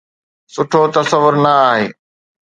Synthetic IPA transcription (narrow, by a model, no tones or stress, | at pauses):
sʊʈʰot̪ɐsɐʋːʊɾnɐaːɦeː